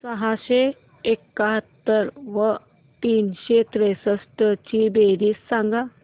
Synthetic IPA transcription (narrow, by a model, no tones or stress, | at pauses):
səɦaɕe | ekːaɦət̪ːəɾʋə | t̪iːnɕet̪ɾesəsʈət͡ɕibeɾiːsːãŋɡa